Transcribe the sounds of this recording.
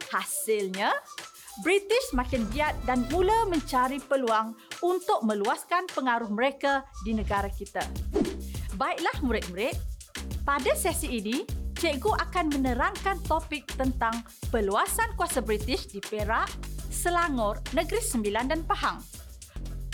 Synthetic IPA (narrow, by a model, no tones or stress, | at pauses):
hasɪlɲa | bɾit̪ɪsmãkɪnbiat̪̚danmulamə̃ɲt͡ʃaɾipəluaŋunt̪ʊk̚mə̃luaskanpəŋaɾʊhməɾekadinə̃ɡaɾakit̪a | baɪʔlahmuɾɪt̪̚muɾɪt̪̚padasɛsiːnit͡ʃeɡoʔakanmənəɾaŋkant̪opɪk̚t̪ənt̪aŋ | pəluasankuasabɾit̪ɪʃdipeɾaʔsəlaŋɔrnəɡɾisəmbilandanpaɦaŋ